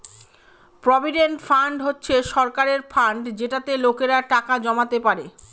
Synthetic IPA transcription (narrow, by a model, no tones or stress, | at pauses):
pɾobʱiɖenʈfaɳɖɦotːɕʰeʃɔɾkaɾeɾfaɳɖd͡ʑeʈat̪elokeɾaʈakad͡ʑɔmat̪epaɾe